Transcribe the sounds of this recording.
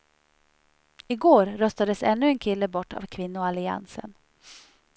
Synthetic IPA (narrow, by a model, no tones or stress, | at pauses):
ɪɡoːɾːœst̪ad̪əsɛnːɵɛnkʰɪlːəbɔʈːa̰vkʰvɪnːʊɔalɪa̰nsə̰n